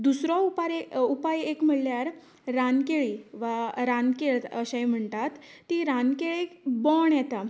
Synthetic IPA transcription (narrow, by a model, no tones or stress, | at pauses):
d̪usɾɔupaɾupajekm̤əɽljaɾː | ankeɭiʋaɾankeɭt̪əɕãjm̤əɳt̪at̪ːiɾankeɭibɔɳjɛt̪a